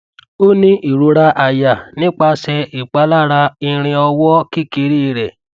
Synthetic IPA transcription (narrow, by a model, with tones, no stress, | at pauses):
o˦nĩ˦ʔi˨ɾu˨˧˦ɾa˧˦ʔa˨ja˨nĩ˦k͡pa˧˦sɛ˧i˨k͡pa˧˦la˦ɾa˧i˧ɾ̃ĩ˧ɔ˧wɔ˦ki˦ke˧˦ɾi˦˧ɾɛ˨